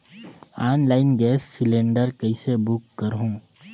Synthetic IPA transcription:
aːnlaːɪnɡɛːsːɪlẽːɳɖəɾkɐisebʊkːɐɾɦũː

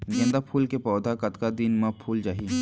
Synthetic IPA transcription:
ɡɐ̃nd̪apʰuːlkepɔːd̪ʱakɐt̪kad̪inmãpʰuːld͡ʒaːɦi

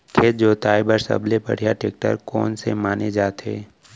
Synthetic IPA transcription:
kʰeːt̪̚d͡ʒoːt̪aːibəɾsə̰blepɐ̰ɽ̤ijaʈeːk̚ʈə̰ɾkɔ̰ːnsemaːned͡ʒaːt̪ɦḛː

